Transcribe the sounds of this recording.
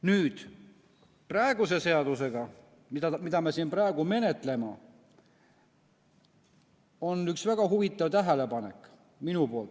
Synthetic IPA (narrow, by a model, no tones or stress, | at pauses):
nyːd̪̥ | prɑeɡuse̞se̞ɑd̪use̞ɡ̥ɑ | mid̪ɑmid̪̥ɑmesinprɑeɡ̥ume̞ne̞t̪ˑle̞mɑ | o̞nyksvæɡ̥ɑɦuvit̪ːˑɑvt̪æɦele̞pɑne̞̰kːˑ | minupolt̪ːˑ